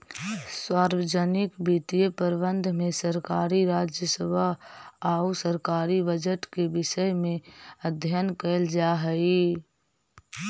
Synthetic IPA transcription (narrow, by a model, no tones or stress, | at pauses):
swaːɾwəd͡ʒənɪkbit̪ijəpəɾbə̃nd̪ʱmẽsəɾkaːɾiɾaːd͡ʒjəsəbʱaaːusəɾkaːɾibəd͡ʒəʈkebɪʃəjmẽəd̪ʱjənkəld͡ʒaɦəi